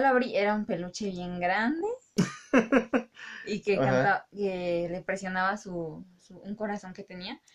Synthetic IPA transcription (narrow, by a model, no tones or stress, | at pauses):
laβɾiʔeɾaumpe̞lut͡ʃeβje̞ŋɡɾand̪e | ikekat̪aβkelepɾesjo̞naβasusuuŋko̞ɾasoŋket̪enia